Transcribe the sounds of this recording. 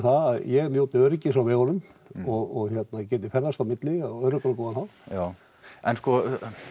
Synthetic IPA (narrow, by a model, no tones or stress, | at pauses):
θaðaðjɛɣljoːwt̪ɪœɾɪcːɪsawvɪɣɔnʏmɔɣɔɣçɛt̪nacɛːt̪̬ɪfɛɾðast̪amɪt̪lɪaœɾʏkɔɾakɔːðanθaða | ɛ̰nskɔ